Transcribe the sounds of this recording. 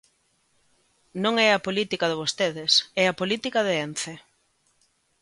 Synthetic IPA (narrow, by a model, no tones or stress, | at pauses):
nõŋɛɐpolit̪ikaðɪβ̞ost̪eðɪsɛɐpolit̪ikɐðɪenθe